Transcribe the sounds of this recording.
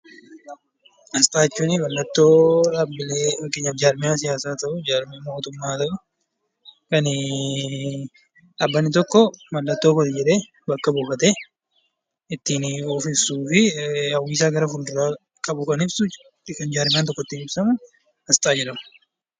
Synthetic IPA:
hɐst̪ʼaːɪt͡ʃːuːnɪbɐlːɐt̪ːoːabːɪleːkːeɲːɐd͡ʒaːɾmɪjaːs̬ɪjaːsaːt̪ɐʔʊd͡ʒaːɾmɪmoːt̪ʊmːaːt̪ɐʔʊ | kɐn | ɐbːɐnːɪt̪̬ɔkːɔmɐlːɐt̪ːoːkɐt̪ɪd͡ʒɛᶑeː | bɐkːɐbuːfɐt̪eː | ɪt̪ːiːnofɪsuːfɪhɐwːiːsaːɡɐɾɐfʊnd̪ʊɾaː | kɐbʊkɐnɪbsʊ | kɐnd͡ʒaːɾmɪjaːt̪̬ɔkːɔt̪ːɪnɪbsɐmʊ | hɐst̪ʼaːd͡ʒɛᶑɐmɐ

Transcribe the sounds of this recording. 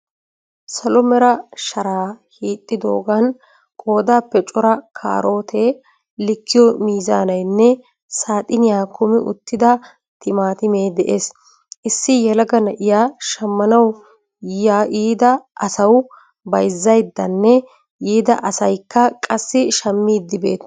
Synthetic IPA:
sɐlɔmɛɾɐʃɐɾaːhiːt̪ʼːɪd̪o̞ːɡɐn | kʼo̞ːd̪aːpːɛt͡ʃʼɔɾɐkʰa̰ːɾʔo̞ːt̪ʰeː | lɪkːɪjɔmiːza̰ːnɐjnːɛ | saːt̪ʼɪnɪjaːkʊmɪʔʊ̰t̪ːɪd̪ɐ | t̪ɪmaːt̪ɪmeːd̪ɛʔeːs | ʔɪsːɪjɛlɐɡɐnɐʔɪjaːʃɐmːɐnɐw | jaːʔiːd̪ɐʔɐsɐw | bɐjzːɐjd̪ːɐnːɛ | iːd̪ɐʔɐsɐjkːɐkʼɐsːɪʃɐmːiːd̪ːɪbe̞̰ːt̪

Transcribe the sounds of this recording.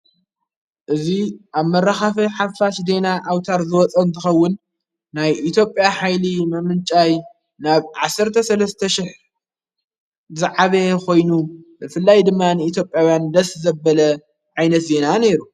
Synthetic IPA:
ʔɨziʔaβmɐɾaxafɐħafaʃd̪e̞naʔawt̪ʰaɾzɨwɔt͡sʼɐnt̪ʰɨxɐwːʊnː | ajʔit̪ʰjo̞pʼːjaħajlimɐmɨnt͡ʃʼaj | naβʕasɨɾt̪ʰɐsɐlɐst̪ʰɐʃɪħ | zɨʕaβekʰo̞jnubɨfɨlːajd̪ɨmːanɨit̪ʰjo̞pʼːjawjand̪ɐszɐbɐlɐ | ʕajnɐt̪ze̞nane̞ɾu

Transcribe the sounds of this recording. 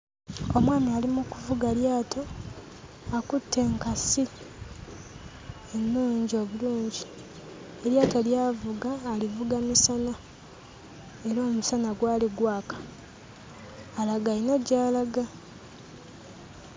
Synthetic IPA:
omwaːmialimukuvuɡaljaːtʰo̞ | akutːe̞ːŋkasi | enːuːɲɟio̞βuluːɲɟi | eɾjaːtoljaːvuɡaːlivuɡamisana | e̞ɾoːmusanaɡwaːliɡwaːkḁ | laɡainoɟaːlaɡa

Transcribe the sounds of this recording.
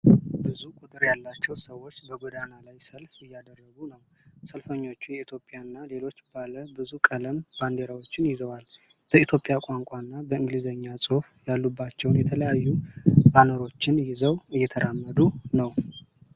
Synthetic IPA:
bɨzukʷʼut̪ʼɨɾjalːat͡ʃːɛwsəwːo̞t͡ʃːbəɡod̪analajsəlfɨjːad̪ərːəɡunəw | səlfəɲːo̞t͡ʃːujɛit̪ʰjo̞pʼːjaɨnːale̞lo̞t͡ʃːbaləbɨzukʼələmband̪eɾawo̞t͡ʃːɪnjɪzəwal | b̥əit̪ʰjo̞pʼjakʷʼaŋkʷʼanːabəɨŋɡlizəɲːasʼufjalːubːat͡ʃːɛwnjɛt̪ʰələjajːubanəɾo̞t͡ʃːɪnjɪzəwɨjːɛt̪ʰəɾʔamːəd̪unəw

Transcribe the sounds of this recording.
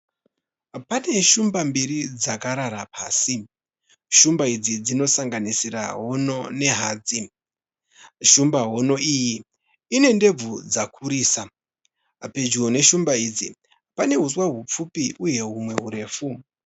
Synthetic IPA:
pane̞ʃumbambiɾid͡zakaɾaɾapaːsi | ʃumbaid͡zid͡zino̞saŋɡanisira̰ɦo̞no̞ne̞ɦaːd͡zi | ʃumbaɦo̞no̞iːji | ine̞nde̞b͡vud͡zakʰuɾiːsa | pe̞d͡ʒuone̞ʃumbaid͡zi | pane̞ɦuswaɦup͡fupiʔuje̞ɦumwe̞ɦuɾe̞ːfu

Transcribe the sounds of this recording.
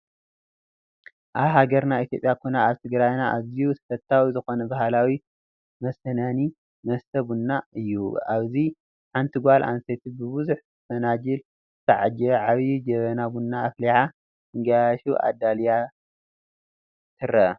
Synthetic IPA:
ʔaβɦaɡɐɾnait̪ʰjo̞pʼjakʰonaaβt̪ʰɨɡɾajnaʔaβzijut̪ʰɐ̥fɐt̪ʰːawizɨxo̞nɐbahalawi | mɐsɐnani | mɐst̪ʰɐbunːaɨjːuaβzi | ħant̪ʰiɡʷalʔa̰nset̪ʰibɨβɨzuħ | fɐnad͡ʒɨl | sʰɐʕad͡ʒɐʕaβjud͡ʒɐβɐnabunːaːfliħa | ɨŋɡaaʃuʔa̰d̪alja | t̪ʰɨrɐ

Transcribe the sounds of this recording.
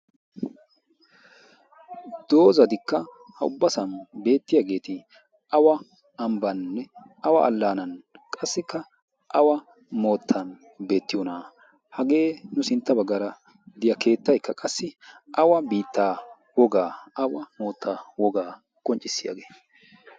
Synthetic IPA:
d̪̥o̞ːzɐd̪ɪkːɐ | hɐʊ̰bːɐsɐnbe̞ːt̪ːɪjaɡe̞ːt̪ɪ | ʔɐwɐ | ɐmbɐnːɛ | ɐwɐʔɐlːaːnɐnkʼɐsːɪkːɐ | ʔɐwɐ | mo̞ːt̪ʰːɐn | be̞ːt̪ːɪjɔnaː | hɐɡe̞ːnʊsɪnt̪ːɐbɐɡːɐɾɐ | d̪ɪjɐkʰe̞ːt̪ːɐjkːɐkʼɐsːɪʔɐwɐbiːt̪ːaː | wɔɡaːɐwɐmo̞ːt̪ʰːaːwɔɡaː | kʼɔnt͡ʃʼːɪsːɪja̰ːɡe̞ː

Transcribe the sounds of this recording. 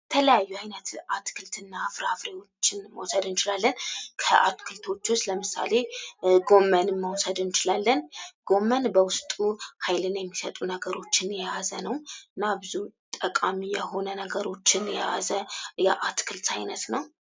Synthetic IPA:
ət̪ʰələjajːuajnət̪ʔat̪kʰɨlt̪ʰɨnːafɾafɾewo̞t͡ʃːɪnməwsəd̪ɨnt͡ʃɪlalːənkʰəʔat̪kʰɨlt̪ʰo̞t͡ʃːʊst̪ləmɨsa̰le̞ɡo̞mːənɨmːəwsəd̪ɨnt͡ʃɪlalːənɡ̥o̞mːənbəwʊst̪ʼuhajlɨnjɛmːisət̪ʼunəɡəɾo̞t͡ʃːɪnjɛjazənəwɨɨnːabɨzut̪ʼəkʼamijɛho̞nənəɡəɾo̞t͡ʃːɪnjɛa̰zəjaʔat̪kʰɨlt̪ʰajnət̪nəw

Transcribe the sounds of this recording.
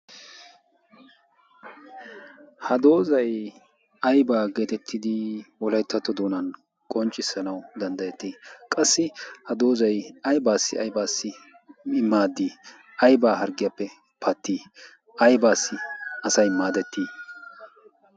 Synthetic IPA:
hɐd̪o̞ːzɐj | ɐjbaːɡe̞ːt̪ɛt̪ʰːɪd̪ɪwɔlɐjt̪ːɐt̪ːɔd̪oːnɐn | kʼɔnt͡ʃʼːɪsːɐnɐwd̪ɐnd̪ɐjɛt̪ːiːkʼɐsːɪhɐd̪o̞ːzɐjɐjbaːsːɪɐ̰jbaːsːɪ | ɪmːaːd̪iː | ɐjbaːɦɐɾɡɪjapːɛ | pʰɐt̪ːiː | ɐjbaːsːɪɐsɐjmaːd̪ɛt̪ːiː

